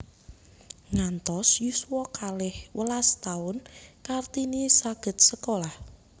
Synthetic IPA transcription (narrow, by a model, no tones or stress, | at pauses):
ŋant̪ɔsjusuwɔkalɪhwəlast̪aʊnkart̪inisaɡ̥ə̤t̪̚səkolah